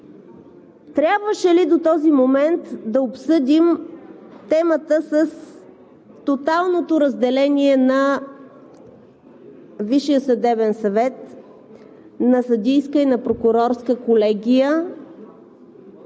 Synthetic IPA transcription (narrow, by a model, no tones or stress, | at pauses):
t̪ɾʲabvəʃɛlid̪ot̪ɔzimomɛnt̪d̪ɐopsɤd̪ʲim | t̪ɛmət̪əsəs | t̪ot̪alˠnot̪oɾəzd̪ɛlɛnʲiɛnɐ | viʃijəsɐd̪ɛbɛnsɐvɛt̪ | nɐsɐd̪ʲijskəinɐpɾokʊɾɔɾskəkolɛɡʲijə